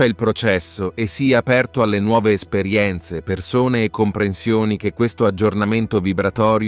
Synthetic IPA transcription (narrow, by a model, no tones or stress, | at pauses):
ɛilpɾot͡ʃɛsːoʔesːiapɛrt̪oalːenwɔːveːspeɾjɛnt̪sepersoːneːkːompɾensjoːnik̟ekːwest̪oad͡ʒːornament̪ovibɾat̪ɔːɾj